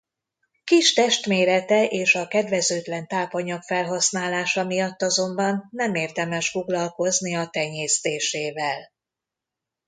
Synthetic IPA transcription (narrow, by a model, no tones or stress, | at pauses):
kiʃt̪ɛʃt̪meːɾɛt̪ɛʔeːʃɒkɛd̪vɛzøːt̪lɛnt̪aːpɒɲɒkfɛlɦɒsnaːlaːʃɒmijɒt̪ːɒzo̞mbɒnːɛmeːrd̪ɛmɛʃfo̞ɡlɒlko̞zniɒt̪ɛɲeːst̪eːʃeːvɛl